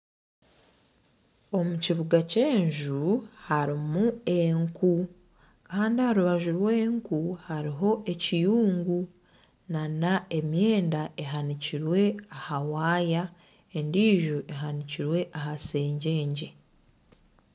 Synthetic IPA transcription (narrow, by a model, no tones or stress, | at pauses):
o̞muciβuɡace̞ːɲʒuhaɾimue̞ŋku | kaːndihaɾuβaʒuɾwe̞ːŋkuhaɾiɦo̞e̞cijuːŋɡu | nanae̞mje̞ːndae̞ɦaniciɾwe̞ahawaːja | e̞ndiːʒuʔe̞ɦaniciɾwe̞ʔahase̞ːɲɟe̞ːɲɟe̞